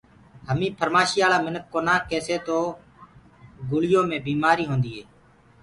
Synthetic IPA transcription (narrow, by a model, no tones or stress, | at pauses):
ɦəmĩːpʰəɾmaːʃiːaːlaːmɪnəkːoːnãːkeːseːt̪oː | ɡʊlɪjõːmẽːbiːmaːɾiːɦõːnd̪iːɦeː